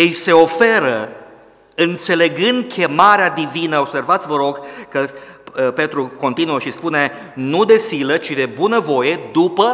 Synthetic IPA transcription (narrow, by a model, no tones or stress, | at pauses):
jejse̞o̞fe̞ɾə | ɨnt̪se̞le̞ɡɨnd̪̚kʲʰe̞maɾead̪ivinəo̞bse̞rvat̪sʲvəɾo̞ɡkəpe̞t̪ɾuko̞nt̪inuəʃispune | nud̪e̞silət͡ʃid̪e̞bunəvo̞je̞d̪upə